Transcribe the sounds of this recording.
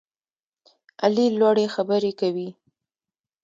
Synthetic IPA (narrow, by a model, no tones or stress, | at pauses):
a̰lilwɑɽexabəɾekawi